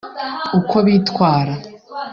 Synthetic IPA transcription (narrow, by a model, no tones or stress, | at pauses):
ukʰo̞βitkwaːɾa